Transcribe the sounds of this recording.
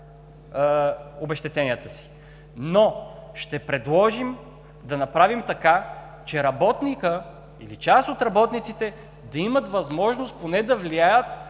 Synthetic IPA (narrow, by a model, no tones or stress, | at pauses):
obɛʃt̪ɛt̪ɛnijət̪əsi̥ | noʃt̪ɛpɾɛd̪lˠɔʒim | d̪ɐnɐpɾavimt̪ɐka | t͡ʃɛɾɐbɔt̪nikə | ḭlit͡ʃast̪ot̪ɾɐbɔt̪nit̪sit̪ɛ | d̪ɐimət̪vɐzmɔʒnost̪ponɛd̪ɐvliajət̪